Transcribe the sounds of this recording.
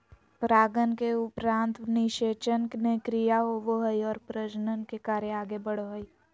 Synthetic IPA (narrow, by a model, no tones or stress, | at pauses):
pɾaːɡənkeʊpɾãːnt̪nɪʃeːt͡ʃənknekɾijaɦoʋoɦəiɔːɾpɾəd͡ʒnənkekaːɾeaːɡebəɽ̤oɦəi